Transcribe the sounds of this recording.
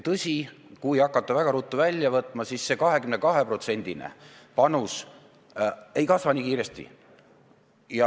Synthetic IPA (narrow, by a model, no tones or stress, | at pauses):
t̪ɤsʲi | kujɑkˑːɑt̪ˑːɑvæɡ̥ɑɾut̪ːuvælʲːjɑvɤt̪ːˑmɑsisːe̞kɑɦe̞kymnekɑɦe̞pro̞t̪se̞nʲd̪̥inḛ | pɑnus | e̞jkɑsvɑniːkiːɾe̞st̪ḭ | jɑ